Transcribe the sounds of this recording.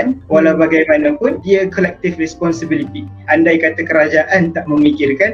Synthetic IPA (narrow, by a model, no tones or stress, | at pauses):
nwalawbaɡajmanapʊndiakɔlɛk̚t̪ɪfrɛspɔnsibilit̪iʔandajkat̪akəɾad͡ʒaʔant̪aʔməmikɪrkan